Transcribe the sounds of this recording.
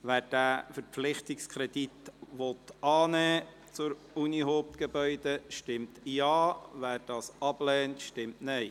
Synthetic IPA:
ʋæːɾd̥æːfəɾpflɪχtɪkskʰɾɛd̥̪itʋɔt̪ɑːnɛː | t͡sʊɾ | uniɦoːp̚t̪ɡ̥ebœʏd̪əʃtɪmtjɑːvæːɾd̥ɑːsɑb̥lɛːntʃtɪmtnɛɪ

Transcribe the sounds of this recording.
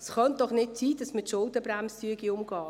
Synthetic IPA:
sχœnt̚d̥ɔχnɪtt͡siːd̥ɑsmətʃʊlˠdəbɾæmstyəɡiʊmɡ̥ɑː

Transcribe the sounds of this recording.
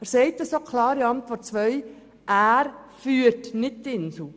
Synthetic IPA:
æɾsɛɪtəsokʰlɑːɾiɑntʋɔɾt̚t͡sʋœʏ | ʔæːɾ | fyːɾtnɪt̚tɪnsl̩

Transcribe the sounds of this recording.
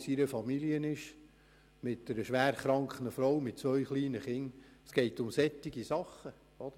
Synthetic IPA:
siɾəfɑmiliənɪʃ | mɪtːəɾəʃʋæːɾχɾɑŋkχənəfɾɔwmɪt̚t͡sʋœʏχliːnəχɪn | sɡ̥ɛɪtʊmsɛt̪ːɪɡisɑχːə | ɔd̥̪ə

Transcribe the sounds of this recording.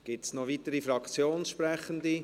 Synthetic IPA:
ɡ̥ɪtsnɔʋit̪əɾifɾɑkt͡sjoːnsʃpɾɛχənd̪i

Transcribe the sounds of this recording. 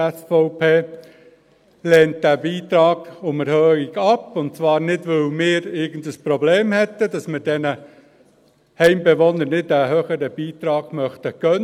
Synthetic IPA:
ɛsfoʊpʰeː | lɛːnt̚d̥æbiːt̪ɾɑːɡ̥ʊməɾhœːiɡɑpʊnt̚t͡svɑːɾnɪdʋœlmɪːɾɪɡən̩dəspɾɔbleːmhɛtːəd̥ɑsmɪːɾdɛnə | hɛɪmbɛʋonəɾnɪtdæɦœχəɾəbiːtɾɑːɡ̥mœχtəkœn

